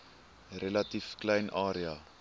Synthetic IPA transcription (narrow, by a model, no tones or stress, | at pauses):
relɐtifklɛjnʔɑːɾia